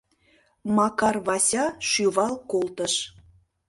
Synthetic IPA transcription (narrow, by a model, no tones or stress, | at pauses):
mɑkɑrβɑsʲɑʃyβɑlˠkolt̪əʃ